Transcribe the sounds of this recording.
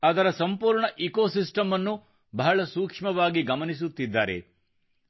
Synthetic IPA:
ɐd̪ɐɾɐsɐmpuːɾɳɐʔikoːsisʈɐmɐnːu | bɐɦɐɭɐsuːkʂmɐʋaːɡiɡɐmɐnis̬ut̪ːid̪ːaːɾḛ

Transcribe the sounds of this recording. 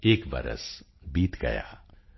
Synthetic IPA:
eːkʋɐ̰ɾə̰s | biːt̪ɡɐ̰ja̰ː

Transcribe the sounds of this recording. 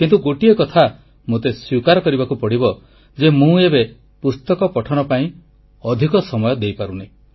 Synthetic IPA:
kint̪uɡoʈiekɔt̪ʰa | mot̪eswikaɾɔkɔɾibakupɔɽibɔ | d͡ʒemũebe | pust̪ɔkɔpɔʈʰɔnɔpaĩ | ɔd̪ʱikɔsɔmɔjɔd̪ejpaɾuni

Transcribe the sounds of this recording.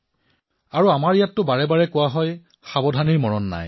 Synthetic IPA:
aɹuamaɹijatːʊbaɹɛbaɹɛkʊwaɦɔj | xabɔdʱaniɹmɔɹɔnːa̰j

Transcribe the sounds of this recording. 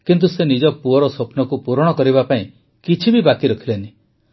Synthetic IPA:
kint̪̬usenid͡ʒɔpuɔɾɔsopnɔkupuɾɔɽ̃ɔkɔɾiβapaĩ | kit͡ʃʰibibakiɾɔkʰileni

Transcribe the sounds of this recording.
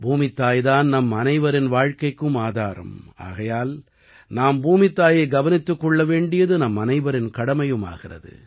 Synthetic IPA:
bʱuːmɪt̪ːaːjðaːnnɐmːɐnɐɪʋɐɾɪnʋaːɻkɐɪkːɯmaːðaːɾɐ̰ma̰ːɣɐjaːl | naːmbuːmɪt̪ːaːjeːɡɐʋɐnɪt̪ːɯkːɔɭːɐʋeːɳɖɪjɐðɯnɐmːɐnɐɪʋɐɾɪnkɐɽɐmɐjɯma̰ːɣɪrɐ̰ðɯ̰

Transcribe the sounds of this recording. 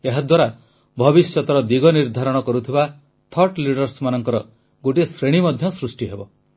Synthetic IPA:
eɦad̪waɾa | bʱɔbisjɔt̪ɔɾɔd̪iɡɔniɾd̪ʱaɾɔɽ̃ɔkɔɾut̪ʰiba | t̪ʰɔɾʈliɽɔɾsmanɔŋkɔɾɔ | ɡoʈisɾeɽ̃imɔd̪ʱjɔsɾusʈiɦebɔ

